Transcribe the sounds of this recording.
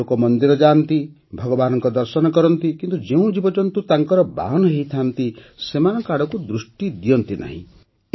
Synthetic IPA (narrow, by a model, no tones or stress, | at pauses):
okɔmɔnd̪iɾɔd͡ʒant̪i | bʱɔɡɔbanɔŋkɔd̪ɔɾsɔnɔkɔɾɔnt̪ikint̪ud͡ʒeũd͡ʒibɔd͡ʒɔnt̪ut̪aŋkɔɾɔba̰ɦɔnɔɦeɦit̪ʰant̪isemanɔkaɽɔkud̪ɾusʈid̪ijɔnt̪inʔa̰ɦḭ̃